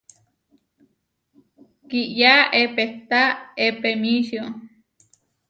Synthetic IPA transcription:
kiʔjaepet̪aepemiʃio

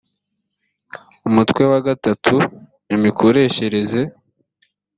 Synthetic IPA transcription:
umutkwe̞waɡatatʰu | nimikʰo̞ɾe̞ːçe̞ɾe̞ze̞

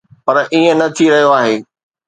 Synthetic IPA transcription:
pɐɾʔiːə̃nɐt̪ʰiɾɐɦijoaːɦeː

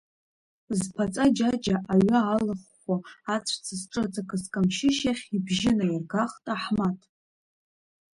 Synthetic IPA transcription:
zpʰat͡sʼad͡ʒad͡ʒaʔaɥaːlɨχːʷaat͡sʷʰt͡sʰasʈ͡ʂʼɨd͡zʼakʼɨskʼamʃɪʃaχʲibʒɪnajirɡaχtʼaħmatʼ

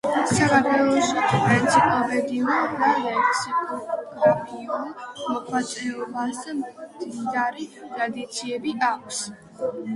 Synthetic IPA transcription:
sakʰaɾt̪ʰwɛlˠɔʃipʼɾint̪sʰipʼalˠbɛd̪iɔnd̪alɛksikʼɔɡɾapʰiɔnmɔkʰwat̪sʼɛɔbasd̪amd̪id̪aɾit̪ʼɾad̪it̪sʰiɛbiakʷʰs

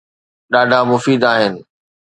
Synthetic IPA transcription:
ɗaːɖʱamʊfiːd̪aːɦɪnɪ̆

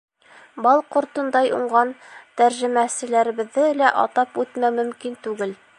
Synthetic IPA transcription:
bɑlˠqŏɾt̪ɤ̆nd̪ɑjṵɴɢɑnt̪æɾʒɘ̆mæsɘ̆læɾɘ̆βɘ̆ðːɘlæʔɑ̰t̪ɑpʉt̪mæmɵ̆mkint̪ʉɡɘl

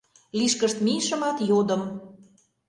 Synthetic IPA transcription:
liʃkəʃt̪miʃə̆mɑt̪jod̪ə̆m

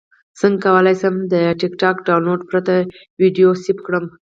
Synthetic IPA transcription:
z̥əŋɡkawəlajsəmd̪əʈɪkʈɑkɖawnloɖpɾat̪a | wiɖijosipkɽəm

